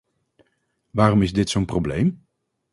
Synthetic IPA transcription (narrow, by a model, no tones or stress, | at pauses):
ʋaːrɔmɪzdɪtsownprowblḛjm